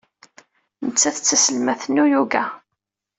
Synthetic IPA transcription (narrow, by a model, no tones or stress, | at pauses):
nət͡sːæθət͡sːæsəlmæθənːujuɡæ